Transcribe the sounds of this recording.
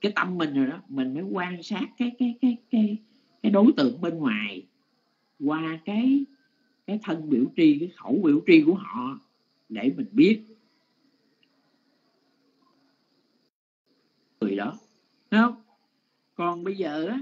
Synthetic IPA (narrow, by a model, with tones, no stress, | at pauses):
kaː˨˦jt̪a˧mːï˨˩ŋ̟zo˨˩jɗɔ˨˦mï˨˩ŋ̟məː˨˦jkwaː˧ŋsaː˦˥t̚kaː˨˦jkaː˨˦jkaː˨˦jkaː˨˦j | kaː˨˦jɗo˨˦jt̪ɨ̰˧˨əŋɓe˧nŋwaː˨˩j | kwaː˧kaː˨˦j | kaː˨˦jt̪ʰə˧nɓi˧˩əwt͡ɕi˧kaː˨˦jxə˧˩wɓḭ˧˥əwt͡ɕi˧ku˧˩əɦɔ̰˧˨˦ | ɗe˧˩mï˨˩ŋ̟ɓi˦˥ət̚ | ɨ˨˩əjɗɔ˨˦ | hɛ˨˦hə˧wŋ͡m | kɔ˨˩nɓə˧jzəː˨˩ʔaː˨˦